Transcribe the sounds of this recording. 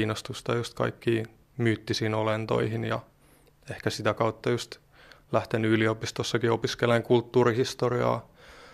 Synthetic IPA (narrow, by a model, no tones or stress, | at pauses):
iːnost̪ust̪ɑjust̪kɑ̰ikːiː | myːt̪ːisiːnolent̪o̰ihinjɑ̰ | ehkæsit̪ækɑut̪ːɑjust̪ | læht̪enyliopist̪osːɑkiopiskeleŋkult̪ːuːɾihist̪oriɑ̰ː